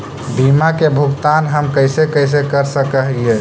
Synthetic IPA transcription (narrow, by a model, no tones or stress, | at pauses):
bʱimakebʱukt̪anɦəmkəjsekəjs̬ekəɾsəkəɦije